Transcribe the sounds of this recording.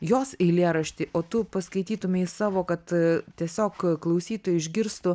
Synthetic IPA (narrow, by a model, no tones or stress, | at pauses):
joːsɛɪlʲiɛɾɐʃʲt̪ʲɪʔoːt̪ʊpɐskɐɪt̪ʲiːt̪ʊmʲɪɪsɑːʋoːkɐt̪t̪ʲiɛsʲoːkklˠɐʊsʲiːt̪oːjʊɪʒʲɡʲɪɾst̪ʊ